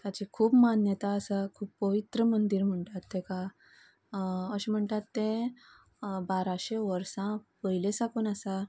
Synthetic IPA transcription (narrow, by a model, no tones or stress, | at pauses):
t̪jat͡ɕikʰuːbmanjət̪aəsakʰuːbpəʋit̪ɾəmənd̪iɾm̤əɳʈ̪at̪ːẽka | əɕim̤əɳʈ̪at̪ːẽ | baɾaɕeʋəɾsãpəɦilesakuːnəsa